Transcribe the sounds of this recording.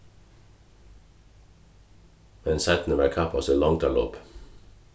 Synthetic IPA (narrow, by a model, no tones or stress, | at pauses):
mɛnsæt̪n̩əʋækʰɑpʰɑsəlɑŋt̪ʰɑlo̰ːp